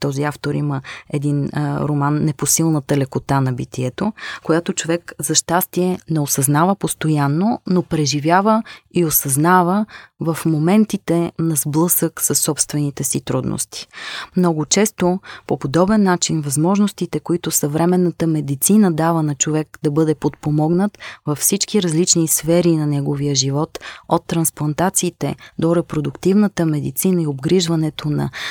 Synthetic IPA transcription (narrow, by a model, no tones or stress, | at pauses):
t̪ɔziaft̪oɾiməɛd̪inɾomanːɛposilˠnət̪əlɛkot̪anɐbit̪iɛt̪okojat̪ot͡ʃovɛkzɐʃt̪ast̪iɛnɛosɐznavəpost̪ojanːonopɾɛʒivʲjavəiosɐznavəvəfmomɛnt̪it̪ɛnɐzblˠɤsəksɐsːɔpst̪vɛnit̪ɛsit̪ɾud̪no̰st̪i̥mnɔɡʊt͡ʃɛst̪opopod̪ɔbɛnːat͡ʃinvɐzmɔʒnost̪it̪ɛkoit̪ʊsɐvɾɛmɛnːət̪əmɛd̪it̪sinəd̪avənɐt͡ʃovɛkd̪ɐbɤd̪ɛpot̪̚pomɔɡnət̪vɐfsit͡ʃkiɾɐzlit͡ʃnisfɛɾinɐnɛɡovijəʒivɔt̪ot̪ːɾɐnsplˠɐnt̪at̪siːt̪ɛd̪oɾɛpɾod̪ʊkt̪ivnət̪əmɛd̪it̪sinəiobɡɾiʒvɐnɛt̪onɐ̰